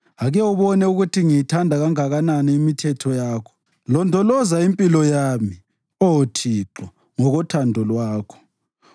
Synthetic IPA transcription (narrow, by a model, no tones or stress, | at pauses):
aɣɛwuβɔnɛuɣutʰiŋijitʰandʱaɣaŋaɣananɛimitʰɛtʰɔjaːkʰɔ̥ | lɔndʱɔlɔzaimpʼilɔjami | ɔtʰiǁɔ | ŋɔɣɔtʰandʱɔlwaːkʰɔ̥